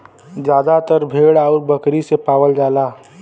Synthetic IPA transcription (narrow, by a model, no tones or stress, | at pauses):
d͡ʒjaːd̪at̪əɾbʱeːɽaːɾbəkɾisepaːwəld͡ʒaːlaː